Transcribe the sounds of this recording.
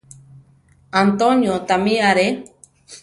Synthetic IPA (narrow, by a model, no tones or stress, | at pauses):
ant̪oɲjot̪amiaɾe